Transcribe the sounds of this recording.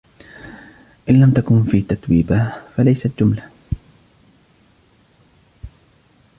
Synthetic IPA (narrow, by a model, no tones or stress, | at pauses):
ʔɪnlamt̪akʊnfiːt̪at̪wiːbafalajsat̪d͡ʒʊmla